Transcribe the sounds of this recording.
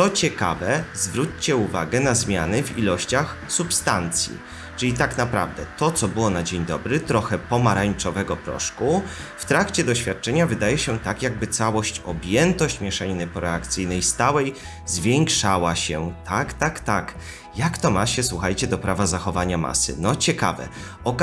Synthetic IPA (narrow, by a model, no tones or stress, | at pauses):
t̪ɔt͡ɕɛka̰vɛzvɾut͡ɕt͡ɕɛuvaɡɛnazmʲjanɘvḭlɔɕt͡ɕaxsupst̪ant̪sʲjḭ | t͡ʂɘlʲit̪aknapɾa̰vd̪ɛt̪ɔt̪sɔbɘwɔnad͡ʑeɲd̪ɔbɾɘt̪ɾɔxɛpɔmaɾaɲt͡ʂɔvɛɡɔpɾɔ̰ʂkuft̪ɾakt͡ɕɛd̪ɔɕfʲjat̪̚t͡ʂɛɲavɘd̪ajɛɕɛt̪akjaɡ̚bɘt̪sawɔɕt͡ɕɔbʲjɛnt̪ɔɕt͡ɕmʲjɛʂɛɲinɛpɔɾɛakt̪sɘjnɛjst̪awɛj | zvʲjeŋkʂawaɕɛt̪ʰakt̪akt̪ak | jakt̪ɔmaɕɛswuxajt͡ɕɛd̪ɔpɾavazaxɔvaɲama̰sɘ̰nɔt͡ɕɛka̰vɛ̰ | ɔk